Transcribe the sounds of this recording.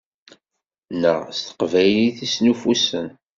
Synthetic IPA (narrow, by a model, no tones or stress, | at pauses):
nə̰ʁst̪ə̥qvæjliθisnufusən